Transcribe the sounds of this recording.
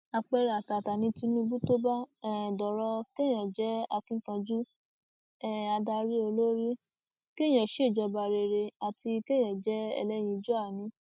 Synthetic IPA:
a˧k͡pɛ˧ɾa˨ta˨ta˨nĩ˧ti˧nũ˦bũ˦to˦ba˦ɛ˦˨dɔ˨ɾɔ˧ke˦j̃ɛ̃˨d͡ʒɛ˦a˧kĩ˦kã˧d͡ʒu˦ | ɛ˦a˧da˧ɾi˦o˧lo˦ɾi˦ | ke˦j̃ɛ̃˨ʃe˦˨d͡ʒɔ˧ba˧ɾe˧ɾe˧a˨ti˧ke˦j̃ɛ̃˨d͡ʒɛ˦ɛ̰˧lɛ˦j̃ĩ˧d͡ʒɔ˦a˦˨nĩ˨˦

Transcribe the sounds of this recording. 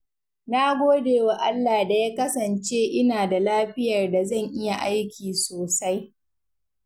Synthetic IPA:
naː˦ɡʷoː˦deː˨wa˦ʔa˦lːaː˨da˨jaː˦kɐ˦sɐ˨nt͡ʃeː˦ʔɪ˦naː˨da˨laː˦ɸɪ˦jɐ˨rda˨zɐ˦˨ŋʔɪ˦ja˨ʔa˦jkʲiː˨soː˨sa˦j

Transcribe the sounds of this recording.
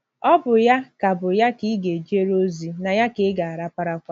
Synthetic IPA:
ɔ˦bʊ˨ja˦ka˨bʊ˨ja˦ki˦ɡe˨d͡ʒe˦ɾo˦zi˨na˨ja˦kɪ˨˦ɡa˨a˨ɾa˦pa˦ɾa˦kʷa˦

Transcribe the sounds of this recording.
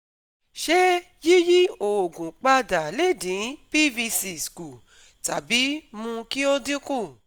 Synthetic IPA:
ʃɛ˦ | ji˦ji˦o˨o˨ɡũ˨k͡pa˧da˨le˦˨dĩ˨˦pi˦vi˧si˧sku˨ | ta˨bi˨˦mũ˧ki˦o˦dĩ˦kũ˦˨

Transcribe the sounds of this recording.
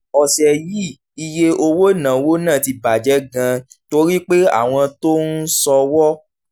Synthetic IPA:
ɔ˨sɛ˨ji˦ | i˨je˧ʔo˧wo˦˨nã˨wo˦nãː˦˨ti˧ba˨d͡ʒɛ˨˦ɡã˧to˧ɾi˦k͡pe˦a̰˦˨w̃ɔ̃˧to˦n̩˦sɔ˧wɔ˦

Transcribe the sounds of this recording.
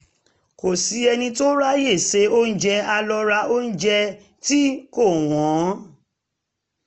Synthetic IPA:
ko˨si˨˦ɛ˧nĩ˧to˦ɾa˦je˦˨se˨˧˦o˦n̩˦d͡ʒɛ˧a˧lɔ˧ɾa˧o˦n̩˦d͡ʒɛ˧ | ti˦ko˦˨w̃ɔ̃˨˦

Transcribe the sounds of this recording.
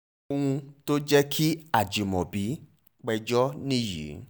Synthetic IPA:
o˧hũ˧to˦d͡ʒɛ˦kʰi˦a˨d͡ʒi˨mɔ̃˨bi˨˦ | k͡pɛ˧d͡ʒɔ˦nĩ˦˨jḭ˨˦

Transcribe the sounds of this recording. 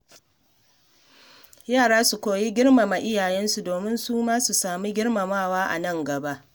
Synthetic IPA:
jaː˦˨ɽaː˦su˨kʷoː˨ji˦ɡʲɪ˦ɽma˨ma˨ʔɪ˦jaː˨jɛ˦nsu˨doː˨mɪ˦nsuː˦maː˦su˨saː˨mi˦ɡʲɪ˦ɽma˨maː˦˨waː˦ʔa̰˨nɐ˦˨ŋɡɐ˨ba˦ʔ

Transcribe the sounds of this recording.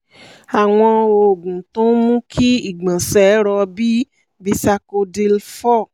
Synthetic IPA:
a˨w̃ɔ̃˧o˧˨ɡ͡bũ˨tõ˦mũ˦kʰi˦i˦˨ɡ͡bã˨sɛ˨˦ɾɔ˧bi˦ | bi˧sa˧ko˧di˧lfɔ˦˨

